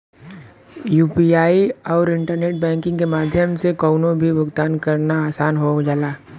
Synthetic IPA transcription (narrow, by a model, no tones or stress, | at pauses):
juːpiaːiɔːɾɪ̃ɳʈəɾneːʈ̚bɛ̃ːŋkɪ̃ŋɡkemaːd̪ʱjəmsekɔːʊnõbʱibʊɡt̪aːnkəɾnaaːsaːnɦod͡ʒaːlaː